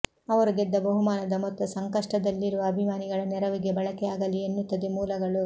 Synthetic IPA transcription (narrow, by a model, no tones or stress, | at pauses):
ɐʋɐɾuɡed̪ːɐbɐɦumaːnɐd̪ɐmɔt̪ːɐsɐŋkɐʂʈɐd̪ɐlːiɾuʋɐːbʱimaːniɡɐɭɐnɛɾɐʋiɡe̞bɐɭɐkɛjaːɡɐlienːut̪ːɐd̪emuːlɐɡɐɭu